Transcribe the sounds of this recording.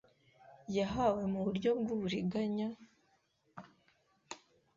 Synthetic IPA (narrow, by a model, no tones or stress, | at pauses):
jaɦawe̞muβuɾɟo̞bɡuβuɾiɡaɲa